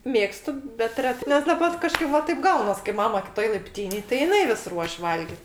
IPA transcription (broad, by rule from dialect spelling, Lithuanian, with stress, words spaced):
ˈmʲeːkstʊ bʲɛt ˈrʲæːtɜ nʲɛs dɐˈbɐr kɐˈʃkɐɪp ʋɐ ˈtɐɪp ˈɡɐʊnɐs kɐɪ ˈmɑːmɐ kʲɪˈtoːj lˠɐɪpʲˈtʲiːnʲeːj tɐɪ jɪˈnɐɪ ʋʲɪs ˈruɔʃʲ ˈʋɐlʲɡʲɪt